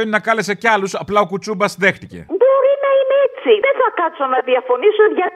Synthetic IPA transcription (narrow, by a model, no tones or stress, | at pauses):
onnɐkɐle̞s̬e̞ceɐlusɐplɐokut͡sumbɐsðe̞xt̪ice̞̰bo̞ɾinɐineet͡siðenθɐkɐsonɐðiɐfo̞nisuʝɐ